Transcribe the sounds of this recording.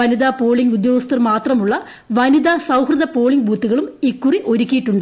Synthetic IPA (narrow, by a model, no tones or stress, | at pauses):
ɐniðaːpo̞ːɭiŋɡud̪joːɡɐst̪ɐrmaːt̪rɐmuɭːɐ | ʋɐnid̪aːsɐwhrɨðɐpo̞ːɭiŋɡbʱuːt̪ːuɣɐɭumikːuriʔo̞ɾukʲːijiʈːuɳɖɨ